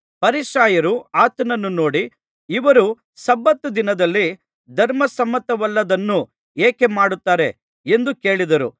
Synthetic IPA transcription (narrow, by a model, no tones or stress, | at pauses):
pɐɾiʃaːjɐɾuaːt̪ɐnɐnːuno̞ːɽiː | ʋɐɾu | sɐbːɐt̪ːud̪inɐd̪ɐlːi | d̪ʱɐɾmɐsɐmːɐt̪ɐʋɐlːɐd̪ɐnːu | eːkemaːɽut̪ːaːɾe̞ | e̞nd̪uke̞ːɭid̪ɐɾṵ